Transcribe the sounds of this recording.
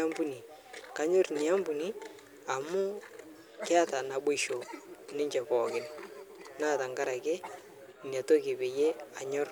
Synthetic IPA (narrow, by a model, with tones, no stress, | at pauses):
a˦mbu˦ni˨ | ka˨ɲʊ˦rni˨a˦mbʊ˨ni˦ | a˨mʊ˦ | kɛ˦a˦ta˨na˨bʊ˦ʃo˨nɪ˦ɲt͡ʃɛ˨pɔ˨kɪ˦nna˦˨ta˨ŋɡa˦ɾa˨ke˦ | nja˨to˦kɪ˨be˨je˦a˨ɲʊ˦r